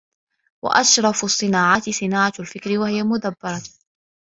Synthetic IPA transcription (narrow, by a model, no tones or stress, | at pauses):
wa̰ʔaʃɾˤɑfɑsˤːɨnaːʕat̪ɪsˤɨnaːʕalfɪkɾɪwahɪjamʊd̪abːɑɾˤɑ